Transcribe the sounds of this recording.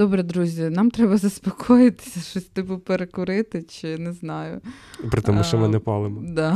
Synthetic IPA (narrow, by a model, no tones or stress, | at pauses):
d̪̥ɔbɾɛd̪ɾuzʲɐnɑmt̪ɾɛbɐzɐspɔkʰɔjɪt̪ɪ̥sʲɐʃɔsʲt̪ɪbupeɾekʊɾɪt̪ɪt͡ʃɪnɛznɑjʊ̰pɾɪt̪ɛmuʃt͡ʃɔmɪnɛpɑlˠɪmɔd̪ɑ